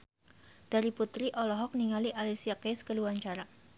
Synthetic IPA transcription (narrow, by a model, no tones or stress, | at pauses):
d̥aɾiput̪ɾiʔɔlɔɦɔk̚niŋaliʔalisiakeskəluaɲt͡ʃaɾa